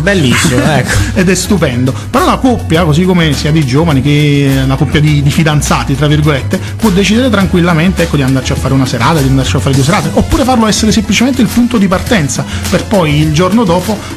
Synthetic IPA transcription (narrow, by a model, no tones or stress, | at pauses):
belːisːimoɛkːoed̪ɛst̪upɛnd̪opeɾɔlakopːjakozikːomesiːad̪id͡ʒoːvanikelakopːjad̪id̪ifid̪ant̪saːt̪it̪ɾavːirɡolet̪ːe | pwɔd̪ːet͡ʃid̪eɾet̪ɾaŋkwilːament̪eɛkːod̪iand̪aɾt͡ʃiafːaɾeunaseɾaːt̪ad̪iand̪art͡ʃiafːaɾed̪ues̬eɾaːt̪eʔopːuːɾefarloɛsːeɾesemplit͡ʃement̪eilpunt̪od̪ipart̪ɛnt̪saperpɔjild͡ʒornod̪ɔːpo